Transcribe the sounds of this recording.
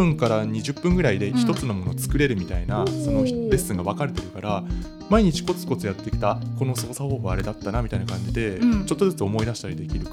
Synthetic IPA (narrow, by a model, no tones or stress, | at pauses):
ɯ̟̃ŋkaɾaɲ̟iʑɨpːɯ̟̃ŋɡɯ̟ɾaid̪e̞çi̥t̪o̞t͡sɨno̞mo̞no̞t͡sɨ̥kɯ̟ɾe̞ɾɯ̟mʲit̪ainaso̞no̞be̞sːɨ̃ŋɡaβ̞akaɾe̞t̪e̞ɾɯ̟kaɾa | maiɲ̟it͡ɕi̥ko̞t͡sɨ̥ko̞t͡sɨjat̪ːe̞kʲi̥t̪ako̞no̞so̞ːsaho̞ːbɯ̟aɾe̞d̪at̪ːanamʲit̪ainakãɲ̟d͡ʑid̪e̞t͡ɕo̞t̪ːo̞zɨt͡sɨo̞mo̞id̪aɕi̥t̪aɾʲid̪e̞kʲiɾɯ̟